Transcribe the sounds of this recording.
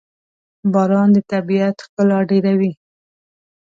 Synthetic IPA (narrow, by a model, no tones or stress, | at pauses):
bɑɾɑnd̪ət̪abiat̪xkəlɑɖeɾawi